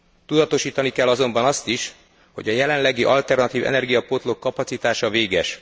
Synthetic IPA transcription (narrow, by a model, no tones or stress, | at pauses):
t̪ud̪ɒt̪o̞ʃiːt̪ɒnikɛlːɒzo̞mbɒnɒst̪iʃ | ho̞ɟɒjɛlɛnlɛɡiʔɒlt̪ɛrnɒt̪iːvɛ̰nɛrɡijɒpo̞t̪lo̞kːɒpɒtsit̪aːʃɒveːɡɛʃ